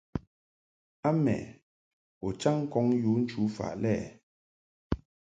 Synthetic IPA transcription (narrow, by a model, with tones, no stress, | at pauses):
a˦mɛ̰˨ | o˨t͡ʃa˦ŋ˦kɔ˨˦ŋju˨˦n̩˦t͡ʃu˨˦fa̰˨ʔlɛː˦˨